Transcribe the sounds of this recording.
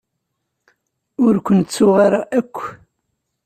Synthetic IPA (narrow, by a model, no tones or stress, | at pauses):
ʊɾkʷənt̪t͡sːʊʁaɾaʔækʷː